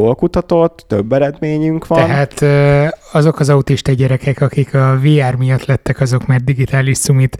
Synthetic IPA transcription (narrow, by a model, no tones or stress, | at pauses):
olkut̪ɒt̪o̞t̪ːøbːɛɾɛd̪meːɲyŋkʋtɒɛnɦ̪aːt̪øɒzo̞kɒzɒut̪iʃt̪ɒɟɛɾɛkɛkɒkikʰɒveːaːrmijɒt̪lɛt̪ːɛkɒzo̞kmaːrd̪iɡit̪aːliʃsumit̪